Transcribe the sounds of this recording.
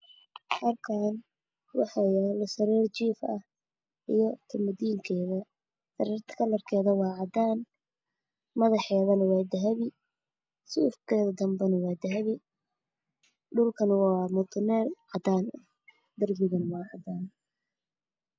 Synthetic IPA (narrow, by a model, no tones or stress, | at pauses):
hɐrkʰan | wɑ̰ħɑjɛːlɐsɐɾiːrt͡ʃiːfɐ̰h | ʔijɞt̪ʰɐmɐd̪iːŋkʰɛːðɐ | sɐɾiːrt̪ʰɐ̥kʰɐlɐrkʰɛːðɐwɑːʕɑd̪aːn | mɐðɑħɛːðɐnɐwɑːd̪ɐɦɐβɪ | suːfkʰɛːðɐd̪ɐmbɛnɐwɑːd̪ɐɦɐβɪ | ɖʊlkʰɐnwɑmʊt̪ʰʊnɛːrʕɑd̪aːnɐ | d̪ɐrbɪɣɐnwɑːʕɑd̪aːn